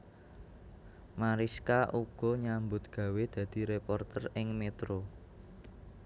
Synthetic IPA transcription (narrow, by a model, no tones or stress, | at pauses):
maɾiskaʔuɡ̥ɔ̤ɲambʊt̪̚ɡ̥ä̤wed̪̥ä̤d̪̥i̤ɾepɔrt̪ərɪŋmet̪ɾo